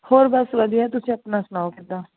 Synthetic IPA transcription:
hoːɾbəsʋəd̪iɛːt̪ʊsẽːəpnaːsʊnaːokɪt̪aː

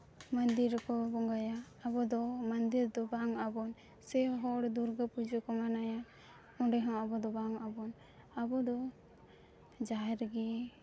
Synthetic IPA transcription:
mand̪iɾkɔbɔŋɡajaː | bɔd̪ɔmand̪iɾd̪ɔbaŋabɔn | sɛɦɔɽd̪uɾɡapud͡ʒɔkɔmanaja | ɔ̃ɖɛɦɔ̃abɔd̪ɔbaŋabɔn | abɔd̪ɔ | d͡ʒaɛɾɡɛ

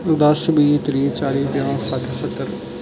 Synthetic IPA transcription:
d̪əsbiːt̪ɾiːt͡ʃaːɾiːb̪jãːsəʈ̪ʰsət̪ːəɾ

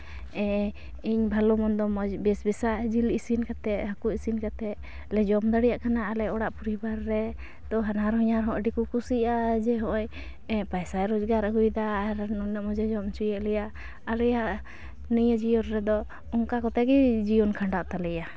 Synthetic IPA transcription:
ɛ | iɲbʱalɔmɔnd̪ɔmɔbɛsbɛsaʔd͡ʒilisinkat̪ɛʔɦakuisinkat̪ɛʔ | lɛd͡ʒɔmd̪aɽijaʔkanaːlɛɔɽaʔpɔɾibaɾːɛ | t̪ɔɦanaɾɦɔɲaɾɦɔ̃ʔəɖikukusiad͡ʒɛɦɔ̃ʔɔj | ɛpajsajɾɔd͡ʒɡaɾaɦujd̪aɾnɔnəmɔd͡ʒad͡ʒɔmt͡ʃujɛʔlɛjaʔ | alɛjaʔ | nəjad͡ʒijɔnɾɛd̪ɔ | ɔŋkakɔt̪ɛɡɛd͡ʒijɔnkʰaɳɖaʔt̪alɛja

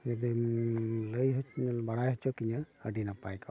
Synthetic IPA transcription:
d͡ʒad̪i | ləjɦɔt͡ʃɲlbaɽajɦɔt͡ʃʰɔkiɲaəɖinapajkɔ

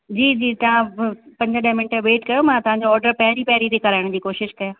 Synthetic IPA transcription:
d͡ʑiːd͡ʑiːt̪ɐʋãpɐ̃ɲd͡ʑəɗɐɦmɪɳʈəʋeːʈkɐjomãt̪ɐʋ̤ãɲd͡ʑoɔːɾɖəɾpɐɦɾipɐɦɾit̪ʰekɐɾaːɪɽ̃d͡ʑiːkoːʃɪʃkɐjãː

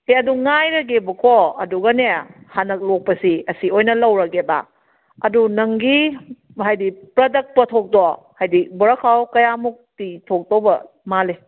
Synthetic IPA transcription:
heɐduŋajɾɐɡebɐkʰɔɐduɡɐnehanɐk̚lok̚pɐsiɐsiojnɐlɐwɾɐkeba̰ | ɐdunɐŋɡi | ɦajdipɾɐdɐk̚pɐtʰok̚dɔ | hajdibɔɾɐkʰawkɐjamuk̚titʰok̚dobɐ | male

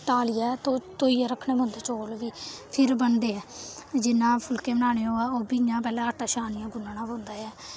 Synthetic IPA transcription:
t̪aːlijaːt̪oːt̪oːiːaːɾəkʰːnẽːbõːnd̪eːt͡ʃoːlʋiːpʰɪɾbənd̪eːɛːd͡ʒɪnːãːpʰʊlkeːbənaːneːõːɛːoːbiːjãːp̬ɛːlãːəʈaːʃaːnɪjãːɡʊnːnãːbõːnd̪aːjɛː

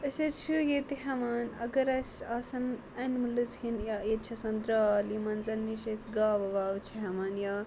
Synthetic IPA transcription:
əset͡ʃʰujet̪iɦɐmaːnɐ̰ɡɐɾɐsʲasɐn | ɐnmɨlɨt͡shinjaːjet̪̚t͡ʃʰɐsɐnd̪ɾaːlimɐːnzɐnːiʃesɡaːʋɐʋaːʋt͡ʃʰiɦɐmaːnjaː

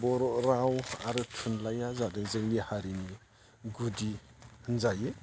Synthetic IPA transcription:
bɔɾɔɾawaɾɯtʰunlajazadɯŋzɯŋnihaɾini | ɡudi | hnzaje

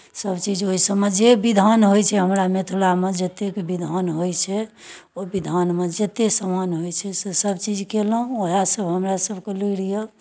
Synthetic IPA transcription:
səbt͡ʃid͡ʒoɦisəbmed͡ʒebid̪ʱanɦojt͡ʃʰɛɦəmɾamet̪ʰuɽamed͡ʒət̪ekbid̪ʱənɦojt͡ʃʰɛobid̪ʱanmed͡ʒət̪esəmanɦojt͡ʃʰɛsesəbt͡ʃid͡ʒkeləɦũoɦasəbɦəmɾasəbʱkeliɽijə

